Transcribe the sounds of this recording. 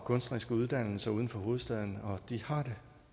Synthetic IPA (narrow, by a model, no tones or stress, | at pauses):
kʰɔ̽nsd̥ʁisɡ̥əuð̞ˠd̥æn̰l̩sɐuːð̞ˠən̩fɒ̽ɦo̝ːð̞̩ˠsd̥ɛð̞ˠn̩ɒ̽d̥ihɑ̈d̥e̝